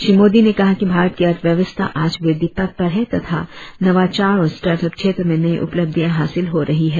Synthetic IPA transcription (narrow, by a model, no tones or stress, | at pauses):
ʃɾimoːd̪inekɐɦakibʱaːɾət̪̚kiɐt̪ʋjɐʋəst̪ʰa̰ʔaːd͡ʒʋɪd̪ɪpɐt̪̚pɐɾɦɛ̃t̪ɐt̪ʰa̰nɐʋaːt͡ʃaːɾɔːɾsʈaːɾʈəpkʃʰeːt̪ɾəmẽnɐĩʔʊ̰pləb̚d̪ʱijãɦaːsɪlɦoɾɐɦiɦɛː